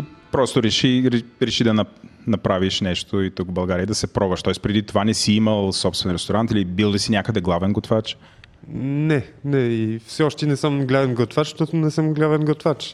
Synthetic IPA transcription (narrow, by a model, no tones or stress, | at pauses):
pɾɔst̪oɾɛʃiɾɛɾɛʃid̪ɐnɐnɐpɾaviʃnɛʃt̪oit̪ukbɐlˠɡaɾiəd̪ɐsɛpɾɔvɐʃt̪ɔɛspɾɛd̪it̪ovanɛsiiməlˠsɔpst̪vɛnɾɛst̪oɾant̪ilibilˠlisinʲjakəd̪ɛɡlˠavɛnɡot̪vat͡ʃ | nɛnɛifsɛɔʃt̪ɛnɛsəmɡlʲavɛnɡot̪vat͡ʃʃt̪ɔt̪ʊnɛsəmɡlʲavɛnɡot̪vat͡ʃ